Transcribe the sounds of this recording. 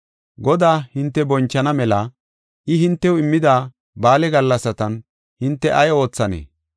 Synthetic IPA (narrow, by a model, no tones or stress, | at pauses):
ɡɔd̪aːhɪnt̪ːɛbɔnt͡ʃːɐnɐmɛlɐ | ʔɪɦɪnt̪ːɛwɪmːɪd̪aː | baːlɛɡɐlːɐsɐt̪ɐn | hɪnt̪ːɛʔɐjo̞ːt͡sːɐnḛː